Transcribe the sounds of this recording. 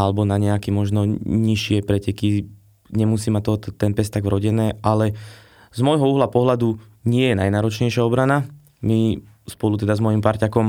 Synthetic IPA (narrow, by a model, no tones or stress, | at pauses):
alɛbɔnaɲɛakɛmɔʒnɔɲiʃɪɛpɾɛcɛki | ɲɛmusiːmat̪ːɔt̪ɛnpɛst̪aɡvɾɔɟɛnɛːʔalɛ | zmɔjɦɔuɦlapɔɦlad̪uɲɪɛjɛnajnaːɾɔt͡ʃɲɛjʃɪaɔbɾana | mi | spɔlut̪ɛd̪azmɔjimpaɾcakɔm